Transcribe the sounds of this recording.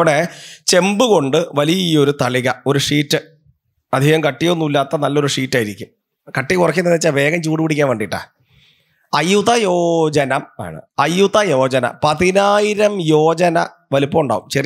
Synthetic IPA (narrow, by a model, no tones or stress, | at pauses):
ɽet͡ɕe̞mbɨɣo̞ɳɖɨʋɐlijɐijo̞ɾut̪ɐɭiɣɐo̞ɾuʂiːtːɨ | ɐd̪ʱiɣɐmkɐʈːijo̞nːuilːaːt̪ːɐnɐlːo̞ɾuʂiːtːaːjiɾikʲːum | kɐʈːijkurɐkːinɐnːit͡ɕːaːʋe̞ːɡɐmt͡ɕuːɽiʋuɽikʲːaːnʋeːɖiʈːa̰ː | ɐjuðɐjo̞ːd͡ʑɐnɐma̰ːɳɨ̰ɐjuðɐjo̞ːd͡ʑɐnɐ̰pɐðinaːjiɾɐmjo̞ːd͡ʑɐnɐ̰ | ʋɐlupːɐːuɳɖa̰ːɣumt͡ɕɐr